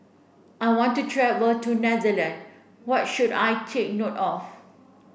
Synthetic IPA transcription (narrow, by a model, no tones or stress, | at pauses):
ʔajwɔ̃ntutʰɹɛvətunɛzəlɛ̃n | wɔt̚ʃuda̰jtʰek̚notɔf